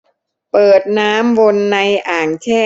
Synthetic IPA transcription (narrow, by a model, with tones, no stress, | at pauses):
pɤː˨˩t̪̚naː˦˥mwo˧nːa˧jʔaː˨˩ŋt͡ɕʰɛː˥˩